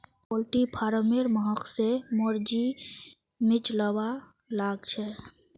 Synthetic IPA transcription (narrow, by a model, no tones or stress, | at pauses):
pɔlʈipʰaːɾəmeɾməɦəksemɔɾd͡ʒi | mɪt͡ʃləwalaːɡt͡ʃʰɛ